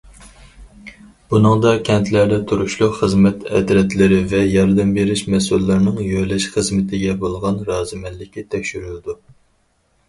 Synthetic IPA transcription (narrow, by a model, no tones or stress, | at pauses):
b̥unɨŋd̪ɑkʲʰɛnt̪ʰlæɾd̪ɛt̪ʰuɾuʃlˠʊqχəzmɛt̪ʰɛ̰d̪ɾɛt̪lɪɾɪvɛjɑɾd̪ɛmbeɾɪʃmɛsulːæɾnɪŋjøjlɛʃχəzmɪt̪ʰɪɡʲɛbolˠʁɑnɾɑːzɨmɛllːɪkʲːit̪ʰɛkʲʃyɾylɪd̪u